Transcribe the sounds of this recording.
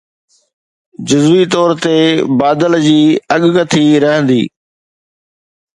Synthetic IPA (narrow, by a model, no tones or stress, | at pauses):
d͡ʑʊzʋit̪ɔːɾt̪ebaːd̪əld͡ʑiːɐɠkɐt̪ʰiɾɐɦə̃nd̪ḭː